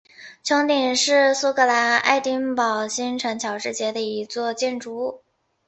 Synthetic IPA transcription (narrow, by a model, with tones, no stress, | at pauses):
t͡ɕʰjɑ˧˥ŋt̪i˨˩ŋʂɻ̩˥˩su˥kɤ˧˥la˧˥na̰˥˧ɪt̪i˥ŋpɑ˨˩ʊɕi˥nʈ͡ʂʰɤ˧˥ŋt͡ɕʰjɑ˧˥ʊʈ͡ʂɻ̩˥˩t͡ɕjɛ˧˥d̪ə˧i˧˥t͡swɔ˥˧t͡ɕjɛ˥˩nʈ͡ʂu˧˥